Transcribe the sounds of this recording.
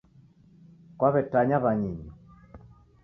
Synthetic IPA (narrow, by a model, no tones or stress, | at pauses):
kwaβɛtaɲaβaɲiɲɔ